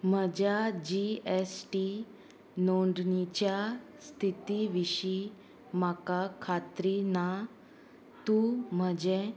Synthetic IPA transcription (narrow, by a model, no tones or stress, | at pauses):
m̤əd͡ʑjad͡ʑiesʈi | noɳɖnit͡ɕjast̪ʰit̪iʋiɕi | makakʰat̪ɾina | t̪ũm̤əd͡ʑe